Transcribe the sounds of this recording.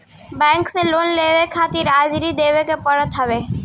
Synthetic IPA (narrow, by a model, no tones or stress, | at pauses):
bɛ̃ːŋkseloːnleʋekʰaːt̪ɪɾaːd͡ʒɾid̪eːʋekepəɽət̪ɦəʋe